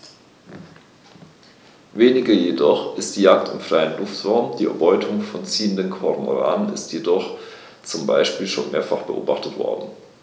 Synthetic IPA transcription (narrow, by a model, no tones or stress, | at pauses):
veːnɪɡɐjedɔχʔɪstd̥iːjaːk̚tɪmfʁ̥aɪənlʊftv̥ɔʊmd̥iːʔɛɐbɔʏtʰʊŋfɔnt͡siːəndənkʰɔʁmo̰ʁa̰ːnənɪ̰stʰjedɔχ | t͡sʊmba̰ɪʃpiːlʃo̰ːnmḛːɐfaχb̥əʔo̰ːbaχtətv̥ɔ̰ɐdn̩